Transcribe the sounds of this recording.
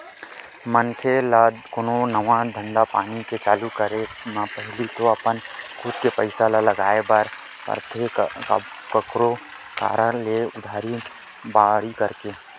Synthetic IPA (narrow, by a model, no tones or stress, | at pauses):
mənkʰelakononəʋãd̪ʱə̃ɳɖapaːniket͡ʃaːlukəɾemãpəɦɪlit̪oɐpənkʰuːd̪kepəɪsalaləɡaːebəɾ | pə̰ɾt̪ʰeka̰ | kəkɾo | ka̰ːɾə̃leʊd̪ʱaːɾi | baːɽikəɾke